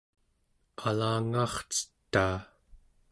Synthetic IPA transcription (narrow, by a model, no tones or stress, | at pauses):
alaːŋɑːχt͡sə̥t̪ːaː